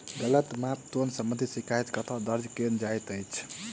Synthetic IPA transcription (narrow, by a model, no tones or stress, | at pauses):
d̪ələt̪map̚t̪onsəmbə̃nd̪ʱisikajt̪kət̪ʰad̪əɾd͡ʒkend͡ʒajt̪əjt͡ʃʰ